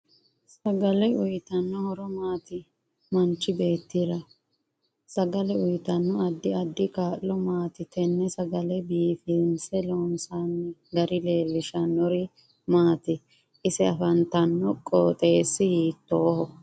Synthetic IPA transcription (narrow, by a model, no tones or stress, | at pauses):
sɐɡɐlɛʊjt̪ɐnːɔhɔɾɔmaːt̪ɪ | mɐnt͡ʃːɪbe̞ːt̪ːiːɾɐ | sɐɡɐlɛʊjt̪ɐnːɔɐd̪ːɪɐd̪ːɪkaːlːɔmaːt̪ɪt̪ɛnːɛsɐɡɐlɛbiːfɪnsɛloːnsanːɪɡɐɾɪle̞ːlːɪʃɐnːɔɾɪ | maːt̪ɪ | ʔɪsɛɐfɐnt̪ɐnːɔkʼɔːt̪ʼe̞ːsːɪhiːt̪ːoːhɔ